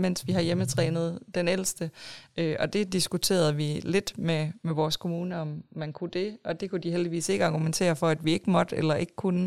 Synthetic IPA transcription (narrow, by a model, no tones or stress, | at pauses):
men̰sʋiɦɑ̈jemət͡sʰʁɛːnð̞̩ˠd̥enel̰sd̥əʔøʔɒ̽d̥e̝d̥isɡ̥ut͡sʰe̝̰ːɐð̩ˠʋile̝d̥memeʋɒːskʰo̝muːnəɒ̽mːænkʰud̥e̝ɒ̽d̥e̝kʰud̥iɦeld̥iʋḭːse̝ɡ̥əɑ̈ɡ̥ument͡sʰe̝̰ːɐfɒ̽æd̥ʋie̝ɡ̥əmɒ̽d̥əelɐʔe̝ɡ̥ə̥kʰunə